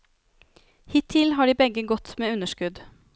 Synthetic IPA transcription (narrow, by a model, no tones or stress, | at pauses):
hɪt̪ʰːɪlɦɑːɖiːbɛɡəɡɔt̪meːʉnəʂkʉd̪